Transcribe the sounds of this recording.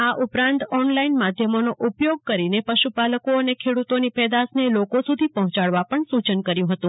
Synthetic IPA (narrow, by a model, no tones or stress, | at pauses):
aʔupɾãnt̪ɔnlainmad̪ʱjəmonoʔupjoɡ̚kəɾinepəʃupaləkoənekʰeɽut̪onipɛd̪asnelokosud̪ʱipəɦɔ̃t͡ʃaɭʋapəɳsut͡ʃənkəɾjũɦət̪ũ